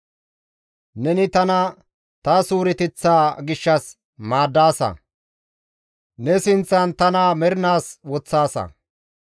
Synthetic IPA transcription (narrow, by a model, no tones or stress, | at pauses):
nɛnɪt̪ɐnɐ | t̪ɐsuːɾɪt̪ɪt͡sːaːɡɪʃːɐs | maːd̪ːaːsɐ̰ | nɛsɪnt͡sːɐnt̪ɐnamɛɾɪnaːswɔt͡sːaːsɐ̰